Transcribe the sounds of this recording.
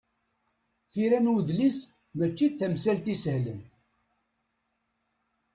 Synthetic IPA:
θiɾænwðlis | mæt͡ʃːiθθæmsælt̪isəhlə̰n

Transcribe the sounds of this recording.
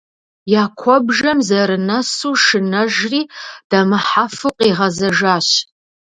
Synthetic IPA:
jaːkʷʰɔbʒɐmzɐɾɨnɐsuːʂɨnɐʒriːd̥ɐmɨħafɨqʼiːʁɐzɐʒaːɕ

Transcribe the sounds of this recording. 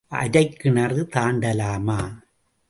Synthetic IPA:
ʔɐ̰ɾɐɪkːɪnɐrɯt̪aːɳɖɐlaːmaː

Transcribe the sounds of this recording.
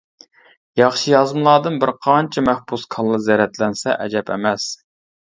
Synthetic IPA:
jɑχʃijɑzmlˠɑːd̪ɨnbɪɾqʰɑnt͡ʃʰɛmæhpuskʰɑlˠːɨzɛɾɛt̪lɛnsɛʔɛ̰d͡ʒɛpɛ̰mɛs

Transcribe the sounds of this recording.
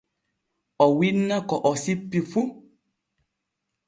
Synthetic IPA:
ɔwinãkɔʔɔsipːifu

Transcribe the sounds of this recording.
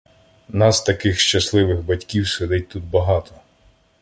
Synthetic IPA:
nɑst̪ɐkɪxʃt͡ʃɐslˠɪʋɪɣbɐtʲkʲiwsed̪ɪt̚ʲt̪ud̪̚bɐɦɑt̪ɔ

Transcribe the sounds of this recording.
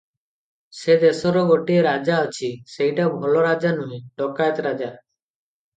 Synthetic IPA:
sed̪esɔɾɔɡoʈieɾad͡ʒaət͡ʃʰisejʈabʱɔlɔɾad͡ʒanueɖɔkajt̪ɾad͡ʒa

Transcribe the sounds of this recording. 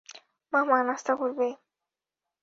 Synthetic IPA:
maɦmanast̪akoɾbe

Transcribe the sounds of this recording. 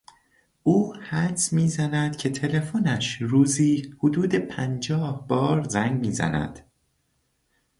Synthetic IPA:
ʔuːhæd̪smiːzænæd̪̥cʰe̞t̪ʰe̞le̞fonæʃɾuːziːhod̪uːd̪e̞pʰænd͡ʒɒːhb̥ɒːɾzæŋɡmiːzæ̰næ̰d̪̥

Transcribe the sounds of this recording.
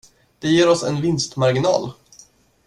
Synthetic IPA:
d̪̥ɛjeːɾɔsɛ̰nvɪnst̪maɾɡɪnɑ̰ːl

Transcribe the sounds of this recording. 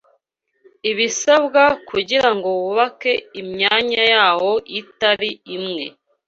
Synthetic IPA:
iβisabɡakuɟiɾaŋɡo̞wuβake̞imɲaːɲajaːho̞ʔitaɾiimŋe̞̰

